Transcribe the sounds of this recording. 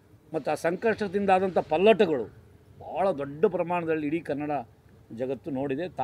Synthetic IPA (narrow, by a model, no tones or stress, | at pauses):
mɐt̪ːuaːsɐŋkɐʂʈɾɐd̪ind̪aːd̪ɐnt̪ɐpɐlːɐʈɐɡɐɭṵ | baːɭɐd̪ɔɖːɐpɾɐmaːɳɐd̪ɐlːiːɽiːkɐnːɐɽa | d͡ʒɐɡɐt̪ːuno̞ːɽid̪e̞t̪